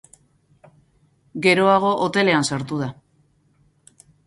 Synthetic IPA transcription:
ɡe̞ɾo̞aɣ̞o̞ʔot̪e̞le̞ansaɾt̪uð̞a

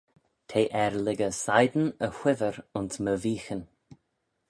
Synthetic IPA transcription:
tʰeːʔɛɾlɪɡəsajd̪n̩əxwɪvəɾʊnsməviːxən

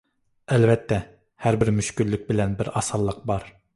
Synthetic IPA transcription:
ɛlvɛt̪ʰːɛ | hæɾbɪɾmyʃkʲylːyk̚ʲbɪlɛnbɪɾɑsɑlˠːəq̚bɑɾ

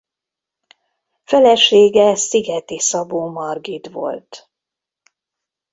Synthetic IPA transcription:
fɛlɛʃeːɡɛsiɡɛt̪isɒboːmɒrɡit̪vo̞̰lt̪

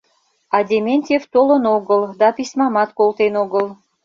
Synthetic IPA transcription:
ɑd̪ʲemʲenʲt̪ʲeft̪olənoɣəld̪ɑpisʲmɑmɑt̪kolˠt̪enoɡəl

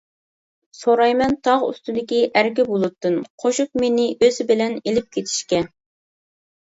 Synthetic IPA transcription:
soɾɑjmɛnt̪ʰɑʁṵst̪ɨd̪ɪkʲiʔæɾkʲɪbolˠɨt̪ːɨnqʰoʃuk̚menɪʔøzɪbɪlɛnelɪp̚kʲʰet̪ʰɪ̥ʃkʲɛ

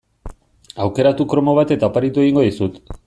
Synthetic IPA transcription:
awke̞ɾat̪ukɾo̞mo̞β̞at̪e̞t̪apaɾit̪ue̞ɣiŋɡo̞ðisut̪

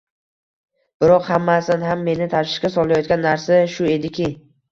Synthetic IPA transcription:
b̥ɪɾɒqhamːasanɦamːe̞nɪt̪ʰaʃʃɪ̥ʃkʲasɒlˠajɒt̪̚ɡʲanːaɾsaʃʊe̞d̪ɪkʲʰɪ

